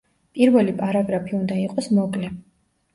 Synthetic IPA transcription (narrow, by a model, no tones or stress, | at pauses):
pʼiɾvɛlipʼaɾaɡɾapʰiund̪aiqʼɔsmɔkʼlɛ